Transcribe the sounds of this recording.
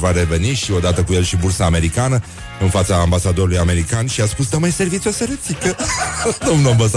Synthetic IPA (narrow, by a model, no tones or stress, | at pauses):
vaɾe̞ve̞niʃio̞d̪at̪əkuje̞lʃibursaːme̞ɾikanə | ɨnfat̪saːmbasad̪o̞ɾulujame̞ɾikanʃiaspusd̪əmajse̞rvit̪iosəɾet̪sikəd̪o̞mnuambasa